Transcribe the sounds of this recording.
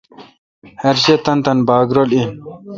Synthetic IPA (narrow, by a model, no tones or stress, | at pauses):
hɐɾɕet̪ɐnt̪ɐnbaːɡɾolin